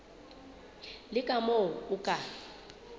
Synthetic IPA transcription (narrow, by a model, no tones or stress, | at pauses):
lɪkʼamoʊkʼa